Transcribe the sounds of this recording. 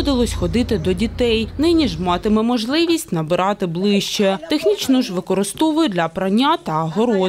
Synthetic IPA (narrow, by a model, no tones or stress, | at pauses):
d̪ɪlˠɔsʲxɔd̪ɪt̪ɪd̪ɔdʲit̪ɛjnɪnʲiʒmɑt̪ɪmɛmɔʒlˠɪʋʲisʲtʲnɐbɪɾʔɑt̪ɪblˠɪʃt͡ʃɛt̪exnʲit͡ʃnʊʒʋɪkɔɾɪst̪ɔʋʊjʊd̪lʲɐpɾɐnʲːat̪ɐːɦɔɾɔ